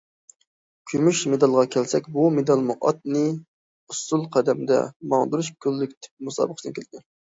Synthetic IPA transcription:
kʲʰymyʃmed̪ɑlˠʁɑkʲʰɛlsɛkʲbumed̪ɑlˠmuʔɑt̪̚nɨ | ust̪ulˠqʰæd̪ɛmd̪ɛ̰mɑŋd̪uɾuʃkʲʰølːykʲt̪ʰɪ̥p̚musɑ̰ːbəχə̥snkʰʲelɪd̪ɪ

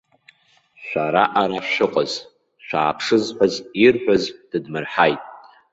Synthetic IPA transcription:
ʃʷaɾaʔaɾaʃɨqʼaz | ʃʷᶣaːpʰʂɨzħʷazirħʷᶣazd̥ɨdmɨrħajtʼ

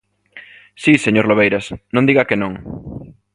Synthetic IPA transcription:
siseɲoɾloβejɾɐsnõnd̪iɣɐkenõŋ

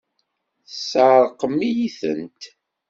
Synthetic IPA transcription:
θsːəɾˤqəmːijiθə̰nt̪

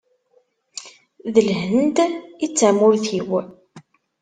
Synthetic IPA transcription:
ðəlhənd̪it͡sːamʊɾθiw

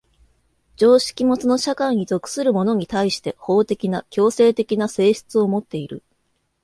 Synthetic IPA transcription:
d͡ʑo̞ːɕi̥kʲimo̞t͡sɨno̞ɕakaiɲ̟ito̞kɯ̥sɨɾɯ̟mo̞no̞ɲ̟it̪aiɕi̥t̪e̞ho̞ːt̪e̞kʲinakʲo̞ːse̞ːt̪e̞kʲinase̞ːɕi̥t͡sɨo̞mo̞t̪ːe̞iɾɯ̰

